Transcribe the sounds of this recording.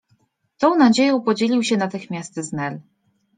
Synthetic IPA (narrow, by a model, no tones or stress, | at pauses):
t̪ɔ̃w̃nad͡ʑejɔ̃w̃pɔd͡ʑelʲiwɕɛnat̪ɘxmʲjast̪znɛl